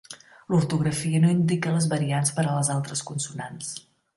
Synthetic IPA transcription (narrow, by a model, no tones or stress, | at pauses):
luɾt̪uɣɾəfiənoind̪ikələzβəɾianspəɾələzalˠt̪ɾəskunsunans